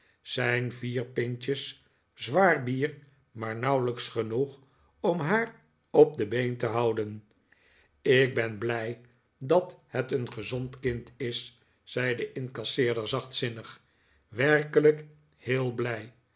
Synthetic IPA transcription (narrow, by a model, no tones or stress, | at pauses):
z̥ɛjnviːrpɪnt͡ʃəs | zʋaːɹbiːɹ | maːɹnɑwləksχənuχ | ɔmɦaːɹ | ɔp̚dəbejntəɦʌwdən | ɪɡ̚bɛnblɛj | dɑthɛtənχəzɔntkɪntʰɪsː | ɛjdəʔɪnkɑsɪːɹdəɹzɑχtsɪnəχ | ʋɛɹkələk | hɪːlˠblɛj